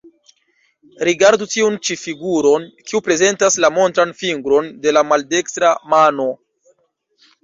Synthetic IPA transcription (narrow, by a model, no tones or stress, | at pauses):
ɾiɡaɾdutiunt͡ʃifiɡuɾo̞nkiupɾe̞ze̞ntaslamo̞ntɾanfiŋɡɾo̞nde̞lamalde̞kstɾamano̞